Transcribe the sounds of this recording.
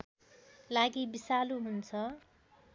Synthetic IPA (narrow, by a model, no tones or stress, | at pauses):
laɡibisaluɦunt͡sʰʌ